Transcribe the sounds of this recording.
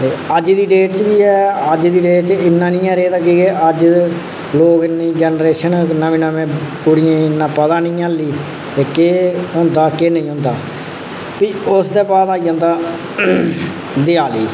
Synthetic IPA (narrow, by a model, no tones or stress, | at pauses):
t̪eːəd͡ʒd̪iːɖeːʈt͡ʃbiːɛːəd͡ʒd̪iːɖeːʈt͡ʃɪnːãːnĩːɛ̃ːɾeːt̪ãːkieəd͡ʒ | loːkɪnːiːd͡ʒɛːnɾeːʃənnaʋĩːnəʋẽːkʊɽɪjẽːɪnːãːpət̪aːnĩːaːliː | t̪eːkeːɦõːnd̪aːkeːnə̃ĩːɦʊ̃ːnd̪a̰ː | piːʊsd̪eːpaːd̪aːid͡ʒə̃ːnd̪aː | d̪eːaːliː